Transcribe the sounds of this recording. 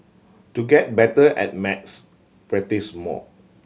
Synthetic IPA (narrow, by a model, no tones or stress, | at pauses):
tuɡɛt̚bɛtəʔɛ̰t̚mɛts | pɹɛtismɔ̰